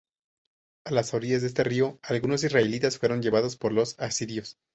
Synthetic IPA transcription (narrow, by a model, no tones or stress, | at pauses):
alasaɾiʝazðee̞s̬t̪erio̞alɣuno̞s̬izraelit̪asfwe̞ɾo̞ɲʝe̞βað̞o̞spo̞ɾlo̞sasiɾjo̞s